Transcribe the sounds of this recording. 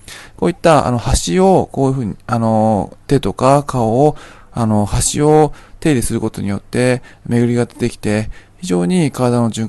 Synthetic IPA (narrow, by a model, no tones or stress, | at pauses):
ko̞ːit̪ːaa̰no̞haɕio̞ko̞ːji̟ɸɯ̟ːɲano̞t̪e̞t̪o̞kakao̞ːano̞haɕḭo̞t̪e̞d̪esɨɾɯ̟ko̞t̪o̞ɲ̟ijo̞t̪ːe̞me̞ɡɯ̟ɾʲiɡad̪e̥t̪e̞kʲi̥t̪e̞çiʑo̞ːɲ̟ikaɾad̪ano̞ʑɨ̃ŋ